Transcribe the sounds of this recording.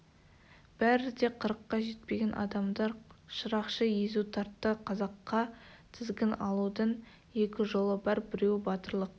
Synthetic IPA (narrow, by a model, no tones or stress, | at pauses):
b̥æɾɪd̪e̞qʰəɾəqːɑʒe̞t̪̚peɡʲenʔɑ̰d̪ɑmd̪ɑɾʃəɾɑqʃəje̞zut̪ʰɑɾt̪ːəqʰɑzɑqːɑt̪ʰɪzɡʲɪnɑlˠud̪ən | e̞kʲɪʒo̞lˠəbɑɾbɪɾe̞wbɑt̪əɾlˠəq̚